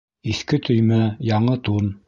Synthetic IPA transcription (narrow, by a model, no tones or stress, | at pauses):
iθkɘt̪ʰɵ̆jmæjɑɴɤt̪un